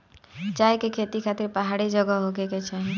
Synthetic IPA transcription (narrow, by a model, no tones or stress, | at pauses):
d͡ʒajkekʰet̪ikʰat̪iɾpaɦaɽid͡ʒəɡəɦokeket͡ʃʰaɦĩ